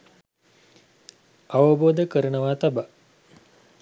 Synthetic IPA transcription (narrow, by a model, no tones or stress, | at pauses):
aʋəboːd̪əkəɾənəʋaːt̪aba